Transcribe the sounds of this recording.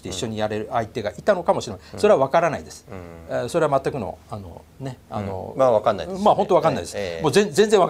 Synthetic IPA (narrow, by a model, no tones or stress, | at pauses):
t̪e̞iɕːo̞ɲ̟ijaɾe̞ɾɯ̟ait̪e̞ɡaʔit̪ano̞kamo̞ɕiɾe̞maso̞ɾeaβakaɾanaid̪e̞sɨ̥so̞ɾeamat̪ːakɯ̟no̰ano̞̰ | ne̞ano̰maakanːa̰maɦo̞nt̪o̞akãnːaḭd̪esmozẽzẽnzẽβa